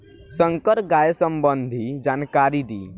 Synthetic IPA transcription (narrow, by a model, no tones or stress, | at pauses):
səŋkəɾɡajsəmbənd̪ʱid͡ʒankaɾid̪ḭ